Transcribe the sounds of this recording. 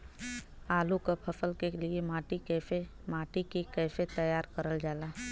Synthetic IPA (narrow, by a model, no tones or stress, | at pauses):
aːlukapʰɐsəlkeliemaːʈikɛːfe | maːʈikikɛːset̪əjaːɾkəɾəld͡ʒaːlaː